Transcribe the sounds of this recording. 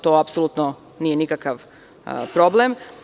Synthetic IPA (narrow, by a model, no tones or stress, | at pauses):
t̪oːapsolˠut̪no | nije̞nikakaʋ | pɾoblem